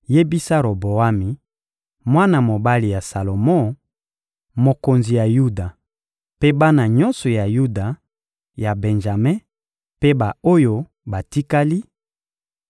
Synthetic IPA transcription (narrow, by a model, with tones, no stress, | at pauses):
je˦bi˦sa˦ɾo˨bo˨a˦mi˨ | mwa˦na˨mo˨ba˦li˨ja˨sa˨lo˨mɔ̃˦ | mo˨ko˨nzi˨ja˨ju˦da˨ | pe˦ba˦na˨ɲɔ˦nsɔ˨ja˨ju˦da˨ | ja˨bɛ˨nʒa˨me˦ | pe˦ba˨o˦jo˦ | ba˨ti˦ka˦li˦